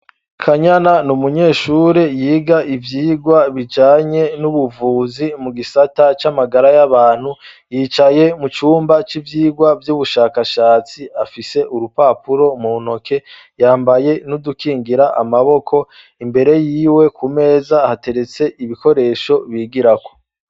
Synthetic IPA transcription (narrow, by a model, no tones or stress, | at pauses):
kʰaɲananumuɲe̞ːʃuɾejiːɡaʔivjiːɡwaβid͡ʒaːɲe̞nuβuvuːzimuɡisatat͡ʃamaɡaɾajaβaːn̥hujiːt͡ʃaje̞mut͡ʃuːmbat͡ʃivjiːɡwavjuβuʃaːkaʃaːt͡siafise̞ʔuɾupapuɾo̞muːno̞kʰe̞ | jaːmbaje̞nudukiːŋɡiɾaʔa̰maβo̞kʰo̞ | imbe̞ɾe̞jiːwe̞kʰume̞ːzahate̞ɾe̞t͡se̞ʔiβiko̞ɾe̞ːʃo̞βiːɡiɾako̞̥